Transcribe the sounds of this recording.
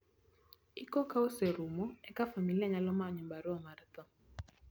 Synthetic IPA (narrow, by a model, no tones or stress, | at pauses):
ikokaoseɾumɔɛkafamiliaɲalɔmaɲɔmbaɾwɔmart̪ɔ